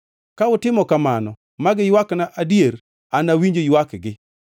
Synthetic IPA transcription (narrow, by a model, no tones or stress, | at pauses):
kaʊtɪmɔkamanɔ | maɡɪjwaknaʔadjeɾ | anawiɲd͡ʒojwakɡɪ